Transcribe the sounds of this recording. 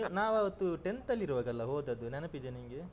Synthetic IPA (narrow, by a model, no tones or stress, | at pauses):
naːʋɐʋɐt̪ːuʈent̪ɐlːiɾuʋɐːɡɐlːɐɦoːd̪ɐd̪unɛnɐpid͡ʒ̪eniŋɡe